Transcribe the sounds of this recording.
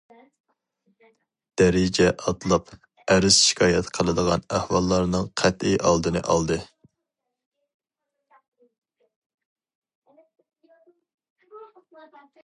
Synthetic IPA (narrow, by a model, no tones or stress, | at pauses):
d̪̥ɛɾɪd͡ʒɛʔɑt̪lˠɑp | æɾɪsʃi̥kʰɑːjɛt̪qʰəlˠɨd̪əʁɑnæhwɑlˠːɑɾnɨŋqʰɛt̪ɪʔɑlˠd̪ɨnɨ̰ʔɑ̰lˠd̪ɨ